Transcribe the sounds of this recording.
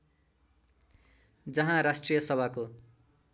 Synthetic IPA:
d͡zʌɦãɾasʈrijʌsʌbʱako

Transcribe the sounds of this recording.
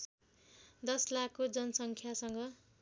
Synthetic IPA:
d̪ʌslakʰːod͡zʌnʌsʌŋkʰjasʌŋɡʌ

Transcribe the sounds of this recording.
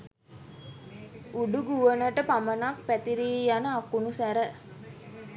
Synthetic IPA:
uɖuɡuʋənəʈəpamənak̚pæt̪iɾiːjanəakunusæɾə

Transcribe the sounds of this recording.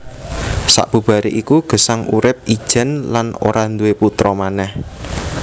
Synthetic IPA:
sa̰ʔb̥ṳb̥a̤ɾeʔikuɡ̥əsaŋuɾɪp̚id̥ʒ̥ɛ̤nlano̰ɾand̪uweput̪ɾɔmanɛh

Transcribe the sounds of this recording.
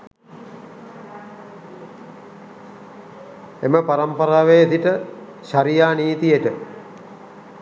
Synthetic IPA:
eməpaɾampɐɾaːʋejet̪iʈə | ɕaɾijaːniːt̪ijeʈə

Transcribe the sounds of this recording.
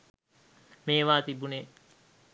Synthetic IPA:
meːʋaːt̪ibune

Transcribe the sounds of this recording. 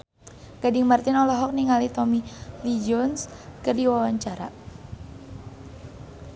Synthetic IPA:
ɡ̥adɪŋmart̪ɪnɔlɔɦɔk̚niŋalit̪ɔmilid͡ʒɔnskərdiwawaɲt͡ʃaɾa̰

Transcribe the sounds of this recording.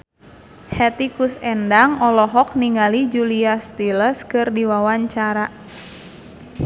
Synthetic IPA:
hɛt̪ikusɛndaŋɔlɔɦɔk̚niŋalid͡ʒuliast̪iləskɨrdiwawaɲt͡ʃaɾa

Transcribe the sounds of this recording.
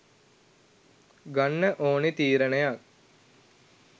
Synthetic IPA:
ɡanːəʔoːnet̪iːɾənejak̚

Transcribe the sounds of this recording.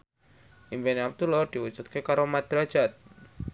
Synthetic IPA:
ʔimpeniap̚t̪ulɔd̪̥iwud̥d͡ʒ̥ut̪̚kekaɾomad̪̥ɾḁd͡ʒ̥at̪̚

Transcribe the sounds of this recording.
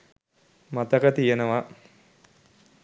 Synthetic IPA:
mat̪əkət̪ijenəʋa

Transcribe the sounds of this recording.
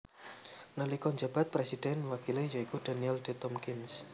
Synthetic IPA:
nəlikɔɲd͡ʒab̥a̤t̪̚pɾɛsid̪̥ɛnwakilejaikud̪̥aniɛldet̪ɔmkins

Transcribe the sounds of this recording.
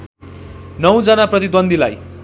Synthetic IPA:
nʌw̃d͡zʌnaprʌt̪id̪wʌnd̪ʱila̰j

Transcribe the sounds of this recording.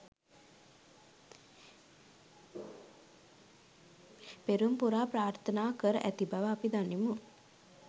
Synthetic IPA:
peɾumpuɾaːpɾaːɾt̪ʰənaːkəɾəʔæt̪ibaʋəapid̪animu

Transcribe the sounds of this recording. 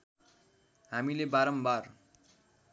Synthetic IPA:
ɦamilebaɾʌmbar

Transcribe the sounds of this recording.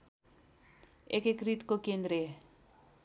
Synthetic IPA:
ekekrit̪kokend̪ɾe

